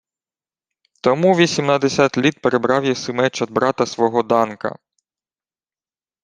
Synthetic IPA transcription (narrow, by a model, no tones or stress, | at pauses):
t̪ɔmuʋʲisʲimnɐd̪esʲat̪ʲlʲit̪̚peɾebɾɑwjɛsɪmɛt͡ʃɔd̪̚bɾɑt̪ɐsʋɔɦɔd̪ɑnkɐ̰